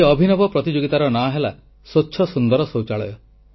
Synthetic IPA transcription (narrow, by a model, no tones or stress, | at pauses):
ɔbʱinɔbɔpɾɔt̪id͡ʒoɡit̪aɾɔnaɦela | sotːʃʰɔsund̪ɔɾɔsowt͡ʃaɭɔjɔ